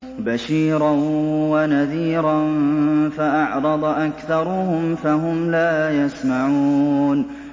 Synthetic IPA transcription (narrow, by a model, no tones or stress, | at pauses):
baʃiːɾanwanaðiːɾanfaʔɑʕɾˤɑd̪ˤʔakθɑɾˤʊhʊmfaɦʊmlaːjasmaʕuuːn